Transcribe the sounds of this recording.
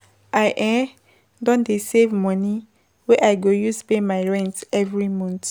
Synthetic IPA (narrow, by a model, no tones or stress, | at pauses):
ʔajʔɛ̃ | dɔ̃ndesevmɔ̃ni | wɛʔaɪɡojuspemaɪɹɛ̃ntɛvɹimɔ̃nt